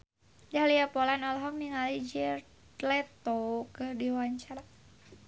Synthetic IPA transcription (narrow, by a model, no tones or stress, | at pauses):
dahliapɔlanɔlɦɔmniŋalid͡ʒɛr | t̪lɛt̪okədiwaɲt͡ʃaɾa